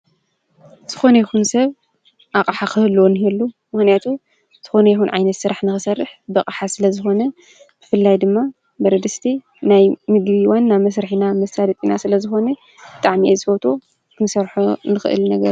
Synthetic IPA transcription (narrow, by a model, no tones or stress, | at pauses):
z̥ɨ̥xo̞nɐjixunsɐβ | ʔakʼaħakɨhlːwonɨhɛlːu | mɨxnijat̪ʰu | z̥ʰɨ̥xo̞nɐjixunʕa̰jnɐt̪sɨɾaħnɨxɨsɐrːɨħbɐkʼaħasɨlɐzɨxo̞nɐ | b̥ɨfɨlːajd̪ɨmːa | bɐɾɐd̪ɨst̪ʰi | najmɨɡβiwanːamɐs̬ɾɨħinamɐsad̪ɐt̪ʼinasɨlɐzɨxo̞nɐ | b̥ɨt̪ʼaʕmiʔezɨfot̪ʰo | kʰɨnsɐɾħunɨxɨ̰ʔɨ̰lnɐɡɐɾ